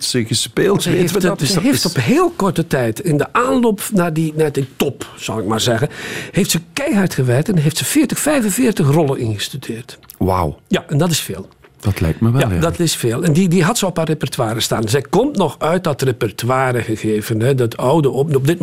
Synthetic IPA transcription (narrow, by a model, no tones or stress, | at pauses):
səɣəspeːlˠzəeftzəɦeftɔpɦeːlˠkɔrtətɛjtɪndəʔaːnloːpnaːdinaːditɔpz̥ɑ̰lˠɪk̚maːɹzɛɣəheːftsəkɛjɦartxəʋɛrktɛnɦeftsəfɪːrtəxfɛjvənvɪːrtəxrɔlˠəninɣəstydɪːrtwa̰wjaʔɛndɑt̬ɪsfeːlˠ | d̥ɔtlɛ̰jktməʋadɑtɪsfeːlˠɛndidiɦɑtsəɔparepɛrtwaːɾəstaːnzɛjkɔmtnɔxœɥt̚dɔtrepɛrtwaːɾəɣəɣeːvənɦɛdətʰɔwdəɔnɔb̚dɪt̚